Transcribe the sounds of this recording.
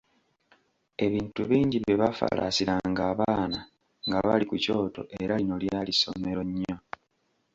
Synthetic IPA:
e̞βiːntuβiːɲɟiβeβafa̰la̰siɾaŋɡaːβaːna | ŋɡaβa̰likuco̞ːto̞̰ʔeɾaino̞ljaːliso̞̰me̞ɾo̞ɲːo

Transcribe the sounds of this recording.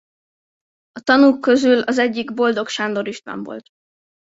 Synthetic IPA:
ɒt̪ɒnuːkːø̞zylɒzɛɟːiɡbo̞ld̪o̞kʃaːnd̪o̞ɾiʃt̪mɛ̰ɱvo̞̰lt̪

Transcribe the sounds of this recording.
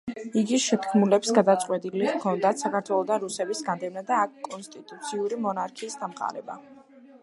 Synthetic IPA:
iɡiʃɛt̪kʰmulɛpsɡad̪at̪sʼqʼwɛt̪ʼiliʁkʰɔnd̪at̪ʰsakʰaɾt̪ʰwɛlˠɔd̪aɾusɛbisɡand̪ɛvnad̪aːkʰkʼːɔnst̪ʼit̪ʼut̪sʰiuɾimɔnaɾkʰiːsd̪amqʼa̰ɾɛba

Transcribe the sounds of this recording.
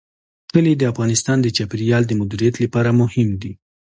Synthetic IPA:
kəled̪əafɣɑnɪst̪ɑnd̪ət͡ʃapɾijɑld̪əmʊd̪uɾijat̪ləpɑɾamʊhɪmd̪i

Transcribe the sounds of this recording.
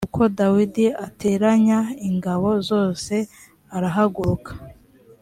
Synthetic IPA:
kuko̞dawidiate̞ːɾaɲaiŋɡaβo̞zo̞ːse̞ | aɾaɦaɡuɾukḁ

